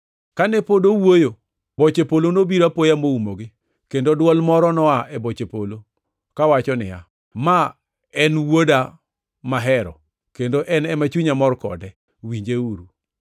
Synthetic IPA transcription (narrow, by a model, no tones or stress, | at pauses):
kanɛpodowojo | bot͡ʃepolonobiɾapojamoumoɡɪ | kendodwɔlmɔɾɔnɔaʔɛbot͡ʃepolo | kawat͡ʃɔnɪ̰ja̰ | ma | ɛnwoda | maɦɛɾɔ̰ | kendoʔɛnɛmat͡ʃuɲamɔrkɔ̰dɛ | wiɲd͡ʒeuɾu